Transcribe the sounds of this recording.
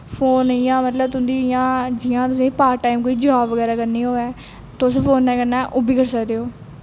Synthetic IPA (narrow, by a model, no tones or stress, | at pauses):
pʰoːnijãːmət̪ləbt̪ʊ̃nd̪iːjãːd͡ʒɪjãːt̪ʊsẽːipaːɾʈaːimkoːiːd͡ʒəʋaːbʋəɡɛːɾaːkəɾniːɦoːɛː | t̪ospʰoːnːɛ̃ːkəɾnaːʔʊbiːkəɾsəkd̪eːoː